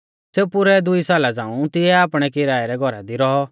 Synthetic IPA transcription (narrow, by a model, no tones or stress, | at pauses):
seːpʊɾɛd̪ʊisaːlad͡zãːũt̪ɪɛaːpɽ̃ɛkɪɾaːɛɾɛɡʱɔɾa̰d̪iɾɔɦɔ